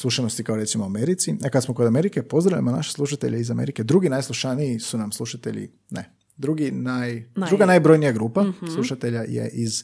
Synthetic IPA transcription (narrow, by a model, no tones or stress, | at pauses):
slˠuʃano̞st̪ikaoɾe̞t̪simouame̞ɾit̪siakad̪smoko̞d̪ame̞ɾikepo̞zd̪ɾalʎa̰mana̰ʃe̥slˠuʃat̪e̞̰ʎeizameɾike̞d̪ɾuɡinajslˠuʃanijisunamslˠuʃat̪ḛʎḭ | nḛ | d̪ɾuɡinajd̪ɾuɡanaːjbɾo̞jnijaɡɾuːpaslˠuʃat̪eʎajḛʔiz